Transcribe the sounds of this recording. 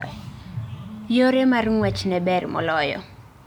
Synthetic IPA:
joɾemarŋwɛt͡ʃnɛbɛrmɔ̰lɔjɔ̰

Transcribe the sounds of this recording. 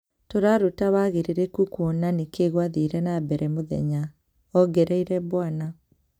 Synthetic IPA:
toɾaɾutaβaɣeɾeɾekukwɔnanekeɣwaðiɾɛnabɛɾʔɛmoðɛ̰ɲa | ɔɡɛɾɛiɾɛβwana

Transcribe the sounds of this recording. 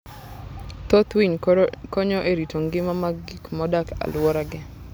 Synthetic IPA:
t̪ot̪wiɲkɔɲɔʔeɾitoŋɡɪmamaɡikmɔdaka̰lwɔɾaɡɛ

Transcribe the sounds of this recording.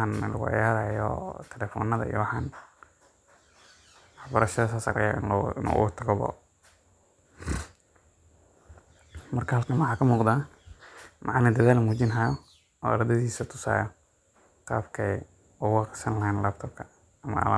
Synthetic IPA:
anlɐ̰ɣʊ̰ʕɪ̰jaːɾaːjɔ̰ːt̪ʰɛlɛːfɔ̰ːnːɐðɐ̰ḭjɔ̰wɑħɑːn | wɑħbɐɾɐʃɐðɐsɐsɐ̰ɾɛ̰ja̰ʔɪnɪnṵːʔʊ̰ɣʊt̪ʰɐɣɔβɔ̰ː | mɐrkʰɐhɐlkʰɐnwɑħaːkʰɐmuːqd̪aː | mʔɑʕɑnɐd̪ɐðaːlmuːt͡ʃɪnɦɐjɔ | ʔɔ̰ːɾɐd̪ɐðiːsɐt̪ʰʊ̥sa̰ːjɐ | qɑːbkʰɛj | ʊwɑqsɐnlɐhanlaːb̚t̪ʰɔb̚kʰɐ | ɐmɐ̰ʔɐ̰a

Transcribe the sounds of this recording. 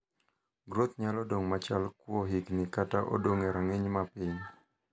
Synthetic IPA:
ɡɾot̪ɲalɔdoŋmat͡ʃalkwɔɦiknɪkataʔo̰doŋeɾaŋɪɲmapɪɲ

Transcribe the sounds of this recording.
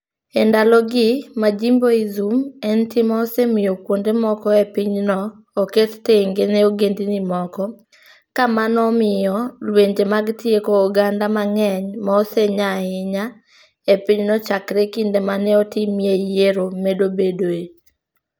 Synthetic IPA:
ɛndalɔɡɪmad͡ʒimboizumɛntɪmaɔsemɪjokwondemɔkɔepɪɲnɔː | ketteŋɡeneoɡendinimɔkɔ | kamanɔmɪjɔlweɲd͡ʒemaɡtiekoːɡandamaŋɛɲmaɔseɲaɪɲa | epɪɲnɔt͡ʃakɾekindemanɛɔtimjejeɾomedobedoe

